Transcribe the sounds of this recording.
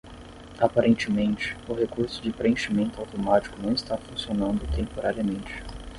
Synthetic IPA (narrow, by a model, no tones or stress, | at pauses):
apaɾʔẽnt͡ʃɪmẽnt͡ʃɪ̥ʊɦekuɾsʊd͡ʒɪpɾeẽʃimẽnt̪ʊawt̪omat͡ʃi̥kʊnɐ̃w̃ɪst̪afũsionɐ̃nd̪ʊt̪ẽmpoɾaɾiɐmẽnt͡ʃɪ̥